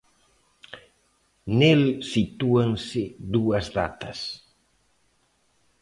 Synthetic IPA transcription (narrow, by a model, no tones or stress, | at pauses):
nelsit̪uaŋsɪd̪uɐzða̰t̪ɐs